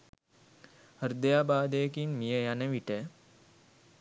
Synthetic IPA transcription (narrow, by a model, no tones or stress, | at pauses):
həɾd̪əjaːbaːd̪əjəkinmijəjanəʋiʈə